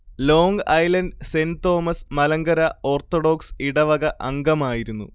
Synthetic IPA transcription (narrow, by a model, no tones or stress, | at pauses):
lo̞ːŋɡɐjlɐndsent̪o̞ːmɐsmɐlɐŋɡɐɾɐo̞ːrt̪ːoɽo̞ːksiɽɐʋɐɣɐʔɐŋɡɐmaːjiɾunːu